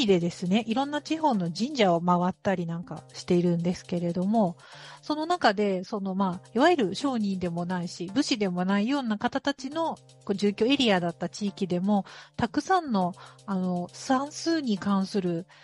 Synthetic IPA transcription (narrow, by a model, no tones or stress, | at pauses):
id̪e̞d̪e̞sɨne̞ʔiɾõ̞nːat͡ɕiɦo̞ːno̞ʑĩɲ̟d͡ʑaomaβat̪ːaɾʲinãŋka̰ɕi̥t̪e̞iɾɯ̟̃nd̪e̞sɨ̥ke̞ɾe̞d̪o̞mo̞so̞nonakad̪e̞so̞no̞maːiβaeɾɯ̟ɕo̞ːɲ̟ĩnd̪e̞mo̞naiɕibɯ̟ɕid̪e̞mo̞naijo̞ːnakat̪at̪at͡ɕino̞ | ko̞ːʑɨːkʲo̞ːe̞ɾʲiad̪at̪ːat͡ɕiːkʲid̪e̞mo̞t̪akɯ̟sãnːo̞ano̞sãɰ̃sɨːɲ̟ikãɰ̃sɨɾɯ̟